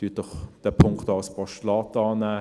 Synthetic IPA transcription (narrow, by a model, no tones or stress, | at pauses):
d̥yːt̚d̥ɔχd̥ɛpʰʊŋktːalspɔʃtlɑːtɑːnæː